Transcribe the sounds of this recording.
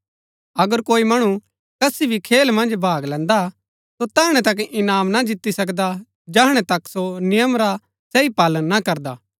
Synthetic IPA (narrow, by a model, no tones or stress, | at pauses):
ɐɡəɾkoːimɐɽ̃u | kɐsibʱikʰeːlmɐ̃nd͡ʒbʱaːɡlɛ̃ːnd̪a | sot̪ɐɦɽ̃ɛ̃t̪ɐk̬ʔɪnaːmnad͡ʒɪt̪ːisɐkd̪a | d͡ʒɐɦɽ̃ɛt̪ɐksonɪjəmɾa | sɛipaːlənːakɐɾd̪aː